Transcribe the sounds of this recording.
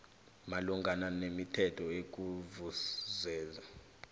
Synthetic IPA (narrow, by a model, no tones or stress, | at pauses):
maluŋɡʱananemitʰɛtʰɔek̬uvuzɛːza